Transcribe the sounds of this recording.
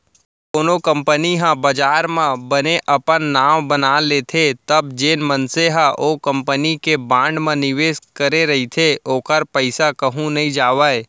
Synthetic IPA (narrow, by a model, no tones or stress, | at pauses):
koːnokə̃mpəniɦãbəd͡ʒaːɾmẽbɐneʔɐpənːaːmbənaːleːt̪ʰet̪ɐb̚d͡ʒeːnmənseɦãʔoːkə̃mpənikebãːɳɖmẽnɪʋeːskəɾeɾɐɦit̪ʰeʔoːkəɾpəɪsakəɦũnɐɦĩd͡ʒaːʋaːe